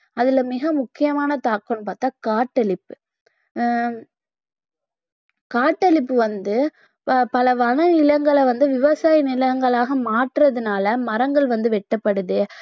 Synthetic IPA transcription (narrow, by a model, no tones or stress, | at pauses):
ɐðɪlɐmɪɣɐmʊkːɪjɐmaːnɐt̪aːkːonːɯpaːɾt̪aːkaːʈːɐɭɪpːɯ̥ | kaːʈːɐɭɪpːɯʋɐnd̪ɯ | pɐlɐʋɐnɐnɪlɐŋɡɐɭɛʋɐnd̪ɯʋɪʋɐsaːjnɪlɐŋɡɐɭaːɣɐmaːʈrɐðɯnaːlɐmɐɾɐŋɡɐɭʋɐnd̪ɯʋɛʈːɐpːɐɽɯðɯ